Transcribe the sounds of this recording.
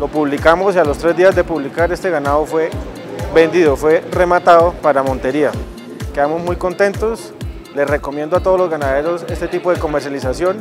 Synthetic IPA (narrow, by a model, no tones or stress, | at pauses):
lo̞puβlikamosialo̞st̪ɾe̞zd̪iazd̪e̞puβlikaɾe̞st̪e̞ɣanaðofwe̞ | be̞nd̪iðo̞fwe̞re̞mat̪aðopaɾamont̪e̞ɾia | ke̞ðamo̞zmujko̞nt̪e̞nt̪os | le̞sre̞komje̞nd̪oat̪oð̞olozɡanaðe̞ɾo̞se̞st̪e̞t̪ipoð̞eko̞me̞ɾsjalisasjo̞n